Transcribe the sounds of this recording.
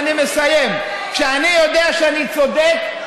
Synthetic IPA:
nimesajem | kʃeanijo̞deaʃeanit͡so̞dek

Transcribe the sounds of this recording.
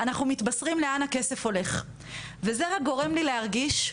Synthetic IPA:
anaχnumit̪basʁimleanhake̞se̞fo̞le̞χ | ve̞ze̞ʁak̚ɡo̞ʁe̞mlileɦaʁɡiʃ

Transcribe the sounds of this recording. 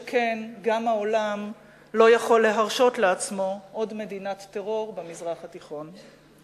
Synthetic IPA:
kʰenɡamaolam | lo̞jaχo̞lːe̞ɦaʁʃo̞tleat͡smo̞ʔodme̞dinatːeʁo̞ʁbemizʁaχhat̪iχo̞n

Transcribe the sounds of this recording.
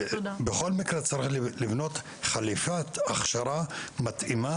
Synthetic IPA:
beχolmikɾet͡saɾiχllivnot̪ | χalifat̪aχʃaɾamat̪ʔima

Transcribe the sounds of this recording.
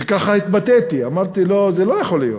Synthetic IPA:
kaχait̪bat̪et̪iamaʁt̪ilo̞zelojaχo̞lijo

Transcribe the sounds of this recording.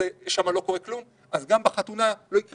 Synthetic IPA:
eʃamalo̞ko̞ʁeklum | ʔazɡambaχat̪unalo̞ikʁ

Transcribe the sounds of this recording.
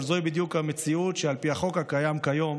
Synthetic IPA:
zoibid̪jukhamet͡siutʃealpiaχo̞kakajamkajo̞m

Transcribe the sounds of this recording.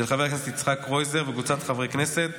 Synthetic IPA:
elχavekneset̪it͡sχakʁojzeʁveɡut͡sat̪χavʁekneset̪

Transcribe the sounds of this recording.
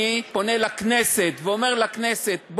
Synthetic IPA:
ipo̞nelakneset̪veome̞ʁlakneset̪̚b

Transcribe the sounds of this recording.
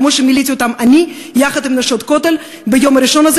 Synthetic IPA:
moʃemilit̪ʲiot̪amanʲi | jaχɐd̪imnɐʃot̪kot̪el | bejomaɾiʃonaz

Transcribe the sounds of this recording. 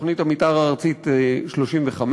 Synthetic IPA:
χnitamitaʁaːʁt͡sit̪ʃloʃimveχam

